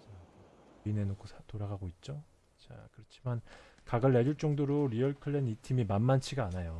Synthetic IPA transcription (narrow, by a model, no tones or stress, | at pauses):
t͡ɕa | ine̞nokʰosʰtoɾaɡaɡoit̚t͡ɕ͈o | t͡ɕa̰kɯɾʌt͡ɕʰimankaɡɯɭːed͡ʑuɭt͡ɕ͈ʌŋdoɾoɾiʌɭkʰɯɭːenitʰimimanmant͡ɕʰiɡaːnajo